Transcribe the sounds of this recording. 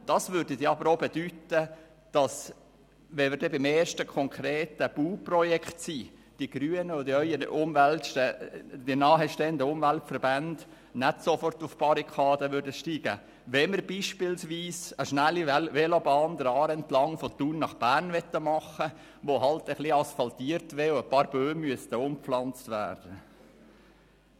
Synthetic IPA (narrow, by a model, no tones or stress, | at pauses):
d̥ɑsʋʏɾdədiɑbəɾoːbɛdytə | d̥ɑs | ʋɛmɪɾdɛbɪmeːɾʃtəkʰɔŋkʰɾeːtəb̥uːprɔjɛkχtsiːd̥iɡ̥ɾyːənədœʏəʔʊmʋæltʃtɛd̥inɑːɦɛʃteːəndəʊmvæltfəɾbænd̥ | nɛtsofɔrtʊfb̥ɑɾikʰɑːd̪əʋʏɾdəʃtiːɡ̥ə | ʋɛməɾbiːʃpɪlsʋiːsəʃnælːiʋɛlobɑːnd̪əɾɑːɾɛntlɑŋfɔt̪uːnnːɑχb̥æːrnʋɛt̪ːəmɑχə | ʋoɦɑltəχliɑsfɑlt̪iːəɾtʋeːoəpɑːɾbøːmyəst̪əʊmflɑnt͡stʋæ̰ːrd̥ə